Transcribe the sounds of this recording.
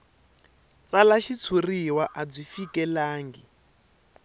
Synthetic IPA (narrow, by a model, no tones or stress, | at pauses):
t͡salaʃit͡sʰuriwaʔad͡zifikʼɛlaːŋɡi